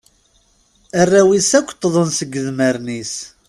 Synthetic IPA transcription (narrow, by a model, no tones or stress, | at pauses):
ærːæwisækʷːt̪ˤːðˤənsəɡːəðməɾnis